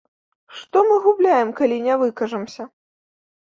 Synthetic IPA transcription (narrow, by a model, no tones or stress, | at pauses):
ʂt̪ɔmɨɣublʲajɛmkalʲinʲɛvɨkɐʐɐmsʲɐ